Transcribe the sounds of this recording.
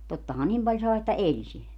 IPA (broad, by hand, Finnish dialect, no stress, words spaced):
totːɑhɑ nim pɑlʲ sɑˑe etːæ elʲ silːæ